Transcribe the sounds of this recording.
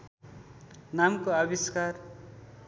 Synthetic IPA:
namkoabiskar

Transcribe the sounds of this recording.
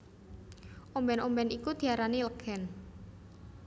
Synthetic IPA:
ʔombɛnombɛnikud̪̥i̤aɾaniləɡ̥ɛn

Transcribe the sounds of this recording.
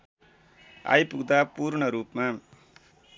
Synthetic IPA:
a̰jpuɡd̪aːpuːɾɳʌɾuːpmã

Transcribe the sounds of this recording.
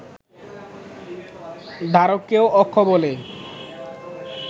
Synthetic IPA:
d̪ʱaɾokːeoʔɔkʰːobole

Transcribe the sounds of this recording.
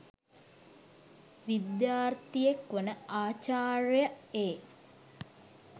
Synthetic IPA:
ʋid̪jaːrt̪ijekʋənəaːt͡ʃaːrjaeː

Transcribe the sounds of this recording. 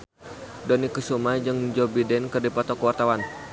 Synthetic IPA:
dɔnikusumajd͡ʒəŋd͡ʒɔbidɛnkərdipat̪ɔkəwart̪awan

